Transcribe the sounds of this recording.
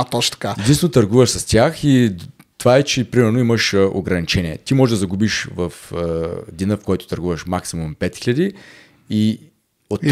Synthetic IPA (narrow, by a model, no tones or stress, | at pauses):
t̪ɔt͡ʃt̪ɐ̥kaɛd̪inst̪vɛnot̪ɐɾɡuvəʃsɐst̪ʲjaxi | t̪ovaɛt͡ʃɛpɾimɛɾnoiməʃʔoɡɾɐnit͡ʃɛniɛ̰t̪imɔʒɛʒd̪ɐzɐɡubiʃvɐfəd̪inəfkɔjt̪o̥ʊ̥t̪ɐɾɡuvəʃmaksimumpɛt̪xiʎʲɐəd̪i | i | ot̪ː